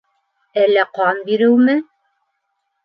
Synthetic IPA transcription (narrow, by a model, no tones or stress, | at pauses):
ælːæqɑmbiɾɘwmɘ